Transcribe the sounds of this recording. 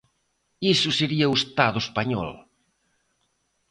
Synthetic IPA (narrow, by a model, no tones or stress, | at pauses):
isʊseɾiɐuest̪aðʊespaɲɔ̰l